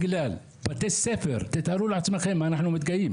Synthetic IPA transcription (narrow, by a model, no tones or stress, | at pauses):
ɡlaːl | bat̪esːefeɾt̪ɪt̪haɾulʕasmaxemːanaħnumɪt̪̚ɡajiːm